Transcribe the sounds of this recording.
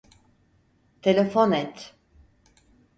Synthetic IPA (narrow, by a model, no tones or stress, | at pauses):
t̪ʰelʲefonɛt̪